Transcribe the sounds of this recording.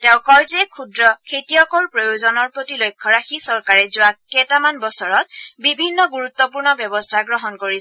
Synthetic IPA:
tɛʊ̃kɔjzɛkʰudɹɔkʰetijɔkɔɹpɹojozɔnɔɹpɹotilojkʰːɔɹaxisɔɹkaɹɛzʊwakɛtamanbɔsɔɹɔt̚bibʱinːɔɡuɹut̪ːɔpuɹnɔbjɔbɔstʰaɡɹɔɦɔnkoɹi

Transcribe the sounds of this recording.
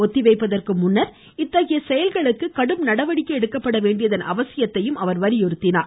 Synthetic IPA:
ɔt̪ːɪʋeɪpːɐðɐrkɯmʊnːɐɾ | ɪt̪ːɐɣɪjɐsɛjɐlɣɐɭɯkːɯkːɐɽɯmnɐɽɐʋɐɽɪkːɐɛɽɯkːɐpːɐɽɐʋeːɳɖɪjɐðɐnʔɐ̰ʋɐsɪjɐt̪ːɐjɯmɐʋɐɾʋɐɾɪjɔɾɯt̪ːɪnaːɾ

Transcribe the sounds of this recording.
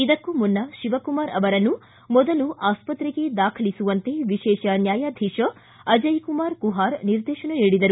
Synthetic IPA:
id̪ɐkːumunːɐʃiʋɐkumaːɾɐʋɐɾɐnːu | mɔd̪ɐluʔaːspɐt̪ɾiɡe̞d̪aːkʰɐlisuʋɐnt̪e̞ʋiʃɛːʃɐnjaːjaːd̪ʱiʂɐ | ɐd͡ʒɐjkumaːɾkuɦaːɾniɾd̪eːʃɐnɐniːɽid̪ɐɾu

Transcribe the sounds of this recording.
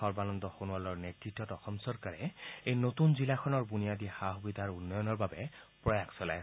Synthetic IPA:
ɔɹbanɔndɔxonuwalɔɹnetɹitːɔtɔxɔmsɔɹkaɹɛejnotunzilaxɔnɔɹbunijadixaɦubid̪ʱaɹunːɔjɔnɔɹbabɛ | pɹɔjaksɔla̰j

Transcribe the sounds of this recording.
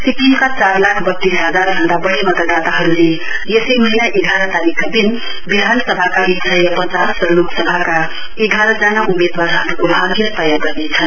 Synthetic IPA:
sikimkat͡saɾlakʰbʌt̪ːisɦʌd͡zaɾɡʱʌnd̪abʌɾemʌt̪ad̪at̪aɦʌɾule | jʌsimʌɦinaʔeɡʱaɾʌt̪aɾikad̪in | bid̪ʱansʌbʱakaɾisʌjʌpʌt͡sasɾʌloksʌbʱaka | eɡʱaɾʌd͡zanaʔumed̪waɾɦʌɾukobɦaɾbet̪ʌjaɡʌrnet͡sʰʌn

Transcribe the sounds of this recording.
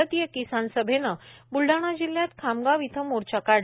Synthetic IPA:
ət̪ijəkisansəbʱenəbulɖaɽ̃ad͡ʑiljat̪kʰamɡaʋit̪ʰəmoɾt͡ɕakaɽ

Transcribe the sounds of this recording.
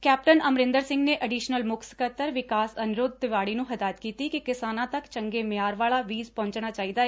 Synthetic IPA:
kɛːpʈənəmɾɪ̃nd̪əɾsɪ̃ŋɡneːʔəɖiːʃnəlmʊkʰsə̥kət̪ːəɾʋɪkaːsənʊɾoːd̪̚d̪ɪʋaːɽiːnũːɦəd̪aːət̪kiːt̪iːkikɪsaːnãːt̪əkt͡ʃəŋɡeːmɪjaːɾʋaːɭaːʋiːzpɔ̃ːɲt͡ʃɳ̃aːt͡ʃaːiːd̪aːɛː

